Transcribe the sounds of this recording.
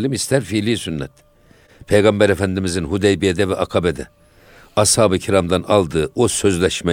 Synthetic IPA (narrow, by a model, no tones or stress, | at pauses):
limist̪ʰæɾfilijsynːɛ̰t̪ | pʰejɡɑmbɛɾefænd̪imizinhud̪ejbijed̪ɛvɛʔɑkʰɑbɛd̪ɛ̰ | ɑshaːbɯcʰiɾamd̪ɑnɑlˠd̪ɯosø̞zlʲɛʃmɛ